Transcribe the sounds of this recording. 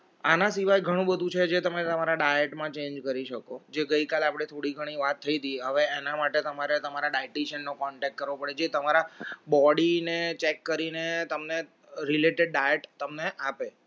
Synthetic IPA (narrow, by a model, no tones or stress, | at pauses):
anãsiʋajɡʱəɽ̃ũbəd̪ʱũt͡ʃʰed͡ʒet̪əmet̪əmaɾaɖajeʈmãt͡ʃẽnd͡ʒkəɾiʃəkod͡ʒeɡəikalapɽ̃et̪ʰoɽiɡʱəɽ̃iʋat̪ʰːəit̪iɦəʋeenamaʈet̪əmaɾet̪əmaɾaɖaɪʈiʃənːokɔɳʈɛk̚ʈkəɾʋopəɽed͡ʒet̪əmaɾabɔɽinet͡ʃekːəɾinet̪əmne | ɾileʈeɖ̚ɖajeʈt̪əmneʔape